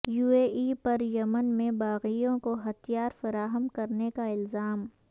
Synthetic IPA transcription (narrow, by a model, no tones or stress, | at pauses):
juːeːiːpɐɾjɐmənmẽbaːɣijõkoɦɐt̪ijaːɾfɐɾaːɦəmkɐɾnekaɪlzaːm